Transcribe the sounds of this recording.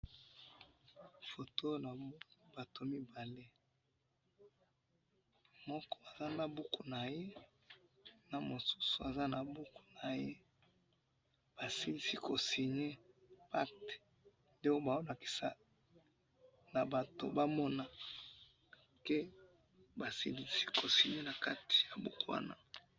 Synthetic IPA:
fo˨to˦na˨˦ba˨to˨mi˦ba˨le˦ | mɔ˦kɔ˦a˨za˦na˨bu˦ku˨na˨je˦ | na˨mo˨su̥˦su˨a˨za˦na˨bu˦ku̥˨na˨je˦ | b̥a˨si˦li˦si˦ko˨si˨ɲe˦pa˦kte̥˨ | nde˦o˦ba˨o˦la˨ki̥˨sa˦ | na˨ba˨to̰˨ba˦mɔ˦na˨ | ke˦ | ba˨si˦li˦si̥˦kʰo˨si˨ɲe˦na˨ka˦ti̥˨ja˨bu˦ko˦wa̰˦na̰˦

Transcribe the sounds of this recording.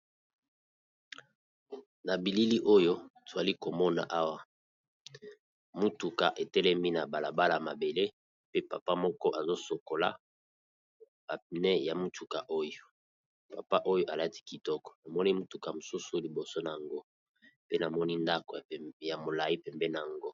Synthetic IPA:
na˨bi˨li˦li˦ʔo˦jo˦to˨za˨li˦ko˨mɔ˦na̰˨ʔa˦wa˨ | mu˦tu˨ka˨ʔe˨tɛ˦lɛ˦mi˦na˨ba˨la˨ba˦la˨a˨ma˨be˨le˦ | pe˦pa˨pa˦mɔ˦kɔ˦ʔa˨zo˦so˨ko˨la̰˦ | a˨nɛ˦ja˨mu˦tu˨ka˨ʔo˦jo˨ | pa̰˨pa˦ʔo˦jo˦ʔa˨la˦ti̥˦ki˨tɔ˦kɔ̥˨na˨mɔ˦ni˦mu˦tu˨ka˨mo˨su˦su˨li˨bo˨so˦na˨a˨ŋɡo˦ | pe˦na˨mɔ˦ni˦nda˦kɔ˨ja˨mo˨la˨ji˦pɛ˨mbɛ˦na˨a˨ŋɡo˦

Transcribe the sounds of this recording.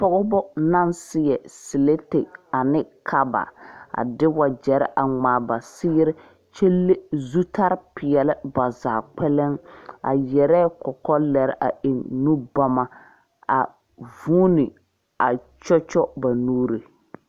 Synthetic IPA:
pɔ˦ɣɔ˦bɔ˦na˦nsɪ˦jɛ˨sɪ˨le˦te˨a˨nɪ˦kʰa˦ba̰˨a̰˨dɪ˦wa˨d͡ʒɛ˨ɾɪ̰˦ʔa˨ŋ͡maː˨ba˨sɪː˦ɾɪ˦ | t͡ʃe˦lːe˦zu˦tʰa˦ɾpɪ˨ɛ˨lɪ˦ba˨zaː˨k͡pɛ˦lɛ˦ŋa̰˨jɛ˨ɾɛ˦kɔ˨kɔ˦lɛ˨ɾɪ˦ʔa˨e˨nnu˦ba˦ma˨ | a̰˨ | vuː˦nɪ˨ | a˨t͡ʃɔ˦t͡ʃɔ˦ba˨nuː˦ɾi˨

